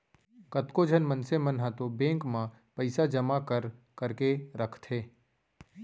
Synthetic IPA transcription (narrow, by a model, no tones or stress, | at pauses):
kət̪kod͡ʒʱənmənsemənɦat̪obẽːŋkmã | pəɪsad͡ʒəmakəɾ | kəɾkeɾəkʰt̪ʰɦeː